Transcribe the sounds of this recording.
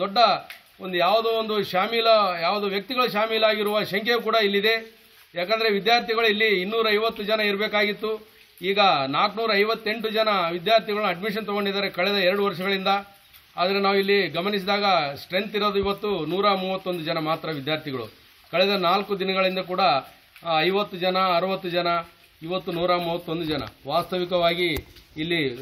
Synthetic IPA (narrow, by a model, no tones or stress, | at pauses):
d̪ɔɖːɐ | o̞nd̪ujaːʋd̪oːond̪uʃaːmiːlɐjaːʋɐd̪oːʋjɐk̚t̪iɡɐɭuʃaːmiːlaːɡiɾuʋɐʃɐŋkʰek̬uːɽɐilːid̪e̞ | jaːkɐnd̪ɐɾe̞ʋid̪jaːɾt̪iɡɐɭuilːiːnːuːɾɐɐjʋɐt̪ːud͡ʒɐnɐiɾbeːkaːɡit̪ːu | iːɡɐnaːknuːɾɐːɐjʋɐt̪ːe̞ɳʈud͡ʒɐnɐʋid̪jaːɾt̪iɡɐɭuɐɖmiʂ̬ɐnt̪ɔɡoɳɖid̪aːɾe̞kɐɭɛd̪ɐɛɾɐɽuʋɐɾʂɐɡɐɭind̪ɐ | aːd̪ɐɾe̞naːʋuilːiɡɐmɐnis̬id̪aːɡɐsʈɾe̞nt̪iɾoːd̪uiʋɐt̪ːunuːɾaːmuːʋɐt̪ːo̞nd̪ud͡ʒɐnɐmaːt̪ɾɐʋid̪jaːɾt̪ʰiɡɐɭṵ | kɐɭɛd̪ɐnaːlkud̪inɐɡɐɭind̪ɐk̬uːɽɐː | jʋɐt̪ːud͡ʒɐnɐːɾɐʋɐt̪ːud͡ʒɐnɐ | iʋɐt̪ːunuːɾaːmuːʋɐt̪ːo̞nd̪ud͡ʒɐnɐ̰ʋaːst̪ɐʋikɐʋaːɡiːlːi